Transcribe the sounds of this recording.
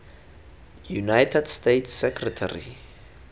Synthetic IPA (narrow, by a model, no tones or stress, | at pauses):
junajtʰɛdstejtsːɛkʰrɛtʰa̰ɾḭ